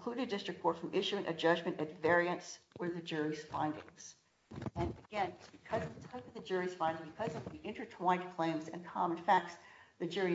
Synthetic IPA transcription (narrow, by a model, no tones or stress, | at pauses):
kʰl̥uɾɨdɪstɹ̥ɨk̚ʰɔɹtfɹʌ̃mʔɪʃʉɪ̃ŋʔɨ̰d͡ʒʌd͡ʒmɨ̃ñtɨtvɛɹiɨ̃nswə˞ðɨd͡ʒʊɹiz̥fãɪ̃ndɪ̰̃ŋz̥ | ɨ̃nɨɡ̥ɛ̃nb̥ɨkʰʌzʌvðɨtʰaɪpʌvðɨd͡ʒʊɹiz̥fãɪ̃ndɪ̃ŋbɨkʰʌzʌvðiʔɪ̃ntʰə˞tʰw̥ãɪ̃d̚kʰl̥ẽɪ̃mzɨ̰̃nkʰɑmə̃nfæk̚tsðɨd͡ʒʊɹi